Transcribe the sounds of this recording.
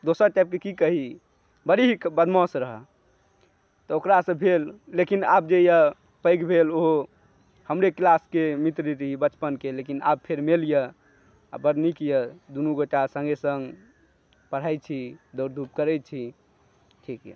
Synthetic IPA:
d̪osəɾʈap̚kekikəɦi | bəɾiɦikbəd̪ʱmɔ̃sɾəɦə̰ | t̪ɔokɾasə̃bʱelːekinab̚d͡ʒejə | pəjkbʱeloɦo | həmɾeklaskemit̪ɾiɾəɦibət͡ʃpənkelekina̰b̚pʰeɾmelijə | a̰bəɾnikijəd̪unuɡoʈasə̃ŋɡesə̃ŋɡ | pəɽ̤ajt͡ʃʰid̪əɾd̪ʱup̚kəɾɛt͡ʃʰi | ʈʰikj̰

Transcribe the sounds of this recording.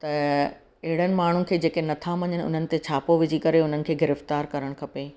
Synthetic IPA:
t̪ɐ | ɐɦɪɽ̤ənɪ̆maːɳ̤ʊnɪ̆kʰeːd͡ʑeːkenɐt̪ʰaʋɐ̃ɲənɪʊ̰n̤ənɪ̆t̪et͡ɕʰaːpoʋɪd͡ʑikɐɾeʊn̤ənɪ̆kʰeːɡɪɾɪft̪aːɾkɐɾəɽ̃kʰɐpe

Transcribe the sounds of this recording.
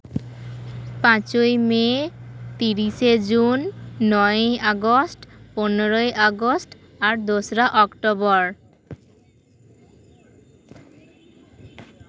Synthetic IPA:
pãt͡ɕojmet̪iɾiʃed͡ʑunːɔeʔaɡosʈponeɾojʔaɡosʈ | aɾd̪osɾaʔɔkʈobɔɾ

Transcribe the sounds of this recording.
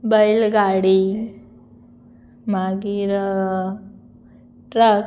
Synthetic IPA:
bəjlɡaɽi | maɡiɾ | ʈɾək

